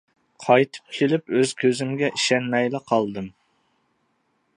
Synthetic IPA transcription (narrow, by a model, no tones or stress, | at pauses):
qʰɑjt̪ʰɨ̥p̚ʲʰilypøz̥kʲʰøzɪmɡʲɛʔiʃɛnmɛjlɨqʰɑlˠd̪ɨm